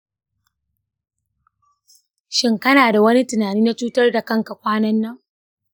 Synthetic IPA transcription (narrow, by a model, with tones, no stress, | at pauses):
ʃɪ˦ŋkɐ˦naː˨da˨wɐ˦ni˦tɪ˨naː˨niː˦na˦t͡ʃuː˦tɐ˦rda˨kɐ˦ŋka˨kʷaː˦nɐ˦nːɐ˦ŋ